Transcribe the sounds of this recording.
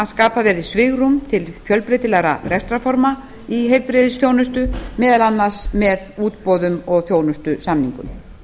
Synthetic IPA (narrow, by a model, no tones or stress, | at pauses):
aðskaːpavɛɾðɪsvɪɣrumt̪ʰɪlfjœlpɾejt̪ɪlaɣɾa̰rɛst̪ɾafɔɾma | iɦejlpɾɪːðɪsθjoːwnʏst̪ʏmɛːðalanːḁsmɛðuːt̪pɔːðʏmɔɣθjoːwnʏst̪ʏsamniŋkʏ̰m